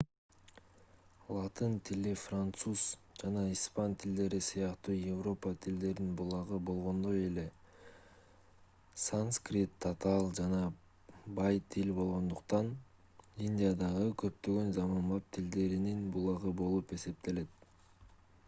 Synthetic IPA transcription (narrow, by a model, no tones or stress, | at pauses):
lˠɑt̪int̪ʰilifrant̪suz | d͡ʒɑnɑispɑnt̪ʰild̪e̞ɾisɯjɑqt̪uːjevro̞pɑt̪ʰild̪e̞ɾinbulˠɑʁɯbo̞lˠʁo̞nd̪o̞je̞le̞ | sanskrʲit̪ʰːat̪ɑlˠd͡ʒɑnɑ | bɑjt̪ʰilʲbo̞lˠʁo̞nd̪uqt̪ɑn | inʲdʲijad̪ɑʁɯkʰø̞pt̪ø̞ɡø̞nzɑmɑbɑp̚t̪ʰild̪e̞ɾininbulˠɑʁɯbo̞lˠupe̞se̞p̚t̪e̞le̞t̪̚